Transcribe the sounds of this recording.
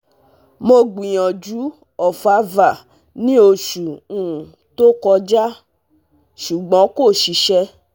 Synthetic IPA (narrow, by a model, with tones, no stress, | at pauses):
mo˧ɡ͡bĩ˨j̃ɔ̃˨d͡ʒu˨˦ | ɔ˨fa˨˦va˨ | nĩ˦o˧ʃu˨ũ˦˨ | to˦kɔ˧d͡ʒa˦ | ʃu˨ɡ͡bɔ̃˨˦ko˦˨ʃi˨˧ʃɛ˧